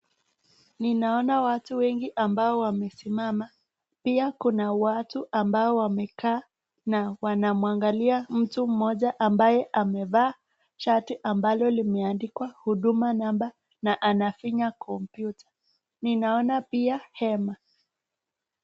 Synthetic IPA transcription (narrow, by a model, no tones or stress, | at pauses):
ninaɔnawatuwɛŋɡiʔambaɔwamɛsimama | piakunawatuʔambaɔwamɛkaː | nawanamuaŋɡaliam̩tum̩mɔʄaʔambajɛʔamɛvaː | ʃatiʔambalɔlimɛandikwahuɗumanamba | naʔanafiɲakʰɔmpjutʰḁ | ninaɔnapiahɛma